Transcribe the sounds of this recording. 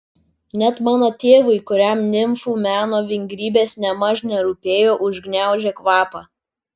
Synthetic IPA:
nʲɛt̪mɑːnoːt̪ʲeːʋʊɪkʊɾʲɛmnʲɪmfuːmʲæːnoːʋʲɪŋʲɡɾʲiːbʲeːsnʲɛmɑʒnʲɛɾupʲeːjoːʔʊʒɡnʲæˑʊʒʲekʋɑːpɑ

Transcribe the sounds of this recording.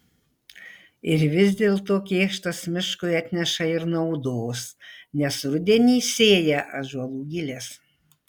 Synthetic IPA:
ɪɾʋʲɪzʲd̪ʲeːlˠt̪oːkʲeːʃt̪ɐsmʲɪʃkʊɪɐt̪ʲnʲɛʃɐɪɾnɐʊd̪oːsnʲɛsɾʊd̪ʲɛnʲiːsʲeːjɛʔɐʒuɔlˠuːɡʲɪlʲeːs

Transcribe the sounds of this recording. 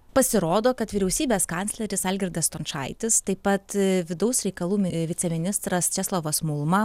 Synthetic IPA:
pɐsʲɪɾoːd̪oːkɐt̪ʋʲiːɾʲɛʊsʲiːbʲeːskɑnʲtsʲlʲɛɾʲɪsɐːlʲɡʲɪɾd̪ɐst̪oːnt͡ʃʃɑ̰ɪt̪ʲɪst̪ɐɪpɐt̪ʋʲɪd̪ɐʊsɾʲɛɪkɐlˠuːmʲɪʋʲɪt̪sʲɛmʲɪnʲɪst̪ɾɐst͡ʃʲɛslˠoːʋɐsmʊlˠmɐ

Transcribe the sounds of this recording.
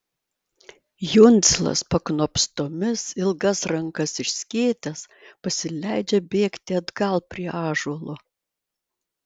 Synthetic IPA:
jʊnʲˑt̪sʲlˠɐ̰spɐknoːpʲst̪oːmʲɪsɪlˠɡɐsɾɐŋkɐsɪʃʲsʲkʲeːt̪ʲɛs | pɐsʲɪlʲæɪd͡ʒʲɛbʲeːkt̪ʲɪɐd̪ɡɐlˠpʲɾʲiɛɑːʒuɔlˠʊ

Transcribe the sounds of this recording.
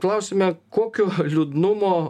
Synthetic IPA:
klˠɐʊsʲɪmʲɛkoːkʲoːlʲud̪nʊmoː

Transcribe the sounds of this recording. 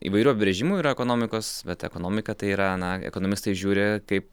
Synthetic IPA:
ḭʋɐɪɾʲuːɐpʲɪbɾʲɛʒʲɪmuːiːɾɐɛkoːnoːmʲɪkoːsbʲɛt̪ɛ̰koːnoːmʲɪkɐt̪ɐɪiːɾɐnɐɛ̰koːnoːmʲɪst̪ɐɪʒʲuːɾʲɪkɐɪp̚

